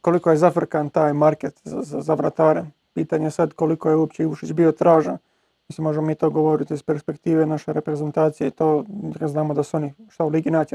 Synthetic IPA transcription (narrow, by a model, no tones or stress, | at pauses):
ko̞likojezafr̩kant̪aːjmaɾket̪zazazaʋɾat̪aːɾen | piːt̪aɲesad̪ko̞liko̞jeuop̚t͡ɕeiʋuʃit͡ɕbio̞t̪ɾaːʒan | mislimːo̞ʒemomiːt̪o̞ːɡo̞ʋo̞ɾit̪ispe̞ɾspekt̪iːʋenaʃeɾepɾe̞ze̞nt̪aːt̪sijeit̪o̞ːznaːmod̪asuo̞niʃt̪auliːɡinaːt͡ʃ